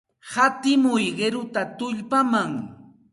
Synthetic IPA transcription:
hat̪ɪmʊjɢeɾʊt̪at̪ʊʎpamaŋ

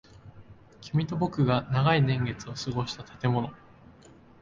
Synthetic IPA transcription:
kʲʰimʲit̪o̞bo̞kɯ̟ɡanaɡainẽ̞ŋɡe̞t͡sɨo̞sɨɡo̞ɕi̥t̪at̪ḁt̪e̞mo̞no̞

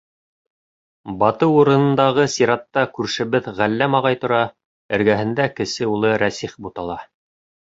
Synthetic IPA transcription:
bɑt̪ɤwuɾɤ̆nɤ̆nd̪ɑʁɤsiɾɑt̪ːɑkʉɾʃɘ̆βɘðʁælːæmɑʁɑjt̪ŏɾɑ | ɘ̆ɾɡæɦɘ̆nd̪ækɘ̆sɘulˠɤɾæsiχbut̪ɑlˠɑ

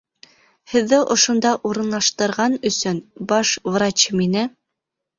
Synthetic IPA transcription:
hɘ̆ðːɘʔŏʃŏnd̪ɑʔuɾɤ̆nlˠɑʃt̪ɤ̆ɾʁɑnɵ̆sɵnbɑʃvrat͡ɕminɘ

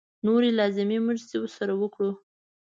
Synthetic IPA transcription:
noɾelɑzɪmemʊʒzewəɾsaɾawəkɽu

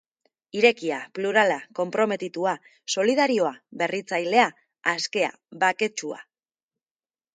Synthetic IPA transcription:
iɾe̞kiapluɾalako̞mpɾo̞me̞t̪it̪ua | so̞liðaɾio̞aβe̞rit͡sajle̞a | aske̞a̰ | βake̞t͡ʃua̰

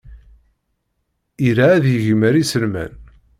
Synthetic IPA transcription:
iɾaːðjəʝəməɾisəlmæ̰n

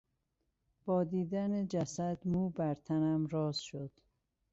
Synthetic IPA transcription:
b̥ɒːd̪iːd̪æned͡ʒæsæd̪muːbæɾt̪ʰænæmɾɒːzʃod̪̥

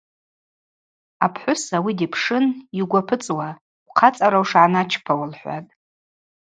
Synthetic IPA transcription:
apʰħʷʊsawidipʰʂɨniɡʷapʰɨt͡sʼwa | wʷqʰat͡sʼaɾawʂʕanat͡ʃʰpʰawalħʷa̰tʼ

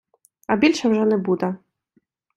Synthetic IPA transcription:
ɐbʲilʲʂɐwʐɛnɛbud̪ɛ

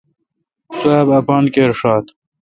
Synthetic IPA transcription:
suaːbɐpɑːnkeɾʂaːt̪

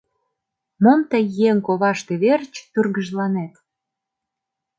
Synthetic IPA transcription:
momt̪əjːeŋkoβɑʃt̪eβert͡ɕt̪yrɣəʒlɑnet̪

